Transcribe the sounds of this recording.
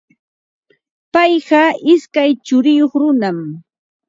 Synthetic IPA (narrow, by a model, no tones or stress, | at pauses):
pɑjɢɑʔɪskajt͡ʃʊɾɪjoχɾʊnam